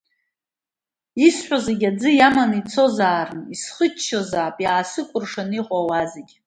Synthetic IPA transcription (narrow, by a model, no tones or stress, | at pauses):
isħʷᶣazeɡʲad͡zɨjamanit͡sʰo̞zaːrɨnisχət͡ʃʰːazaːpʼjaːsɨkʷʼʊrʂaniqʼawazeɡʲ